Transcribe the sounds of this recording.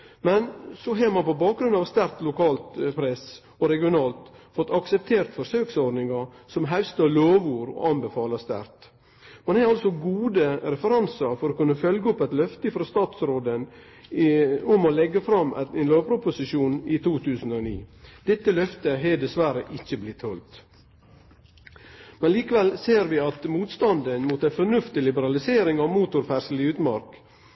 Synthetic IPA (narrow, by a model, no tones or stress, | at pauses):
mɛnsɔɦɑɾmɑnpɔbɑːk̚ɡɾʉnɑːʋst̪æɾt̪lʊkɑːlt̪pʰɾɛs | ɔɾɛɡɪʊnɑːlt̪fɔt̪ːɑksɛp̚t̪ʰeːɾt̪fɔʂøːksɔɾɖ̪nɪŋɑɾ | sɔmɦæʉst̪əloːʋuːɾɔ̰ɑnbəfɑːləst̪æ̰ɾt̪ | mɑnhɑɾɑlsɔɡuːd̪əɾɛfəɾɑnsɑɾfɔɾɔkʉnːəfœlɡəɔpːɛt̪lœft̪əɪfɾɑst̪ɑːt̪sɾoːd̪ən | ʊmolɛɡːəfɾɑmʔɛnloːʋpɾʊpʊsɪʃuːnit̪ʰuːt̪ʰʉːsən̩oːnḭːd̪̥ɛt̪ːəlœft̪əɦɛd̪ɛsʋæɾəʔɪçːəblɪt̪hɔlt̪ | mɛnliːkəʋɛlseːɾʋɪɑt̪muːt̪st̪ɑnd̪ənmuːt̪æfɔnʉft̪ɪlɪbəɾɑlɪseːɾɪŋɑʋmuːt̪ʊɾfæɾʂəlɪʉːt̪mɑɾk